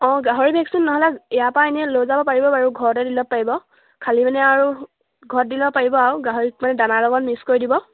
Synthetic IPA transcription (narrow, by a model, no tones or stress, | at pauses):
ɔ̃ɡaɦoɹibʱɛksinːɔɦɔlɛɛjapaniɛlojzabɔpaɹibɔbaɹuɡʱɔɹɔtɛdilɔpːaɹibɔ | kʰalimanɛaɹu | ɡʱɔɹt̚dilɔbɔpaɹibɔauɡaɦoɹik̚manɛdanalɔɡɔnmiskoɹidibɔ